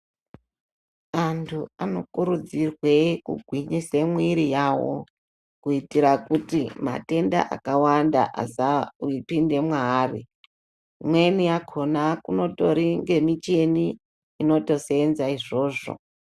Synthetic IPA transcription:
antʰuano̞kuɾud͡zirwe̞kṵɡʱwiɲisemwiɾijawo̰ | kuitiɾakutima̰te̞nda̰ʔa̰kawanda̰ʔa̰sauipinde̞mwari | mwe̞nijakʰo̞nakuno̞to̞ɾiŋɡe̞mit͡ʃe̞niː | no̞to̞seːnzaiʐo̞ːʐo̞̰

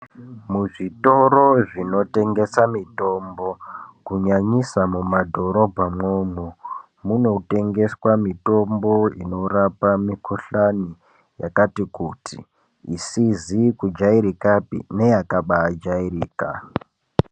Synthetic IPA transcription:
muʐito̞ɾo̞ʐino̞te̞ŋɡe̞samito̞mbo̞kuɲaɲisamumadʱo̞ɾo̞bʱamŋoːmo | muno̞te̞ŋɡe̞swamito̞mbo̞ḭno̞ɾapamikuɬani | ja̰katikutʰḭː | sizikud͡ʒaiɾikapḭne̞jakaɓaːd͡ʒairiːka̰

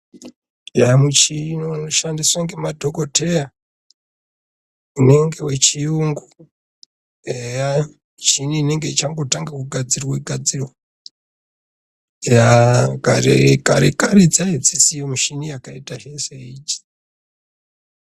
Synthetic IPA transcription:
jamut͡ʃinooʃandiswaŋɡe̞madʱokotʰe̞ja | une̞ŋɡe̞we̞t͡ʃijuŋɡu | eja | t͡ʃiniːne̞ŋɡe̞it͡ʃaŋɡo̞taŋɡakuɡʱad͡ziroweɡʱad͡ziro | jakaɾḛka̰ɾekaɾid͡zaid͡zisijomuʃinijakaitaʒeseid͡ʒi̥

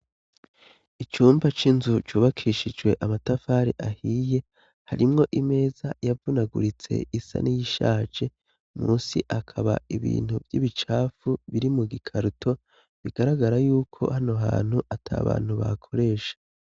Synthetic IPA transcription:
it͡ʃuːmbat͡ʃinzut͡ʃuːβakʰiːʃid͡ʒwe̞ʔamatafaːɾḭʔahiːje̞ | haɾimŋo̞ʔime̞ːzajavunaɡṵɾit͡se̞̰isa̰nijiʃaːd͡ʒe̞ | muːnsiʔakʰaβa̰iβḭːn̥huvjiβit͡ʃaːfuβiɾimuɡikʰaɾutʰo̞ | βiɡaɾaɡaɾajuːkʰo̞̰hanoɦa̰ːn̥huʔatʰa̰ːβa̰ːn̥huβa̰kʰo̞ɾe̞ːʃḁ

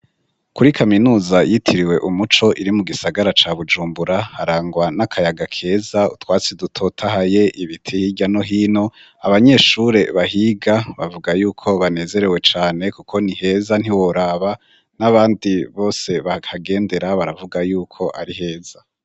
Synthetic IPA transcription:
kuɾikʰaminuːzajitʰiɾiwe̞ʔumut͡ʃo̞ʔiɾimuɡisaɡaɾat͡ʃaβud͡ʒuːmbuɾahaɾaːŋɡwanakʰajaɡakʰe̞ːzaṵtwaːt͡sidutʰo̞tʰaɦaje̞ʔiβitʰihiɟano̞ɦiːno̞ | aβaɲe̞ʃuɾe̞βaɦiːɡaβavuɡajuːkʰo̞βane̞ːze̞ɾe̞we̞t͡ʃaːne̞kukʰo̞nihe̞ːzan̥hiwoɾaːβa | naβaːndiβo̞ːse̞βahaɡe̞ːnde̞ɾaβaɾavuɡajuːkʰo̞ʔaɾiɦe̞ːz̥a

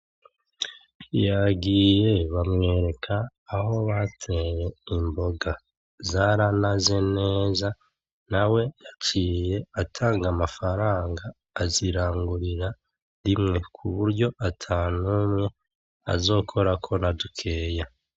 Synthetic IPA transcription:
jaɡiːje̞βamŋe̞ːɾe̞kʰaːho̞βatʰe̞je̞imbo̞ɡa | zaɾanaze̞ne̞ːza | nawe̞jat͡ʃiːje̞atʰaːŋɡamafaɾaːŋɡaː | ziɾaːŋɡuɾiɾa | ɾimŋe̞kʰuβuɾɟo̞ʔatʰaːnumŋe̞ | a̰zo̞ːkʰo̞ɾakʰo̞nadukʰe̞ːja

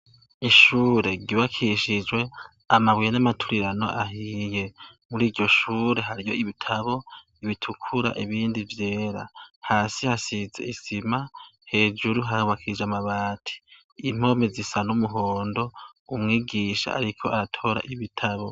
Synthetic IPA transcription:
iʃuːɾe̞ɡiβakʰiʃid͡ʒɡwe̞ | amaβwijenamatʰuɾiɾano̞̰ʔaɦiːje̞muɾiːɾɟo̞ʃuːɾe̞ɦaɾijo̞iβitʰaβo̞ | iβitʰukʰuɾa̰ʔiβiːndivje̞ːɾa̰haːsihasize̞̰isimahe̞ːd͡ʒuɾuɦahuβakʰid͡ʒamaβaːtʰi̥ | im̥o̞mezisanumuɦoːndo̞umŋiːɡiʃa̰a̰ɾikʰo̞aɾatʰo̞ːɾa̰ʔiβitʰaβo̞

